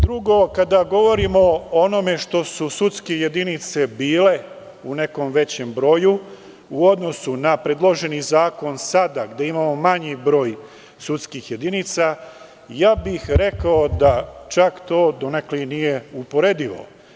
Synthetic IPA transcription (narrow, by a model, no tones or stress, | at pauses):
d̪ɾuɡo̞kad̪aɡo̞ʋo̞ɾimo̞ono̞me̞ʃt̪o̞susut̪skeje̞d̪init̪se̞biːle̞ | une̞ko̞mʋe̞t͡ɕe̞mbɾo̞ju | uod̪no̞sunapɾed̪lˠo̞ʒe̞nizaːko̞nsad̪aɡd̪eimaːmo̞maɲibɾo̞ːj | sut̪skixje̞d̪init̪sa | jaːbixɾe̞kaod̪at͡ʃakt̪o̞ːd̪oneklinije̞upo̞ɾe̞d̪iʋo̞̰